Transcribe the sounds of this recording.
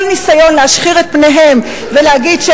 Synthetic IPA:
lnisajo̞nleaʃχiʁet̪̚pne̞ɦe̞m | veleaɡidʃe

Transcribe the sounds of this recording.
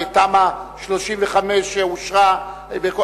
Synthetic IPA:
t̪amaʃloʃimveχameʃeuʃʁa | beko

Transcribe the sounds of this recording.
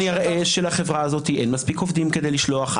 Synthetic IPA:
niaʁʔeʃelaχevʁaːzo̞t̪iʔe̞nmaspiko̞vd̪imked̪e̞jliʃlo̞aχ

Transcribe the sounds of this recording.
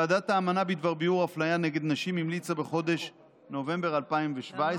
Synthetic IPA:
aːdat̪aːmanabid̪vaʁbiuʁaflajaneɡe̞d̪naʃimimlit͡sabe̞χo̞d̪e̞ʃ | no̞ve̞mbe̞ʁalpaimveʃvae

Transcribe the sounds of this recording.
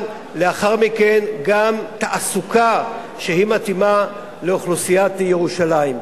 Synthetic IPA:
leaχaʁmike̞nɡamt̪aʔasuka | ʃeɦimat̪ima | leoχlusijat̪eje̞ʁuʃalaim

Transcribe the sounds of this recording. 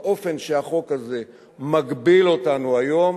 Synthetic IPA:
ʔo̞fe̞nʃeaχo̞kaze̞ | maɡbilo̞tanuajo̞m

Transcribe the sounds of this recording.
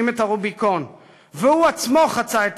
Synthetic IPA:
imetaʁubiko̞n | veuat͡smo̞χat͡saet

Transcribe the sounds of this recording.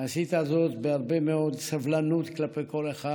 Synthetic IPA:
asit̪azot̪beaʁbemeo̞d̪savlanut̪klapejko̞leχa

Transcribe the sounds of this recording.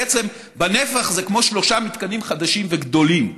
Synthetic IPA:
et͡se̞m | banefaχzekmo̞ʃlo̞ʃamit̪kanimχad̪aʃimveɡd̪o̞lim

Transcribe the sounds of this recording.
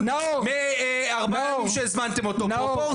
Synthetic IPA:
nmeaʁbaamʃezmant̪emot̪oopo

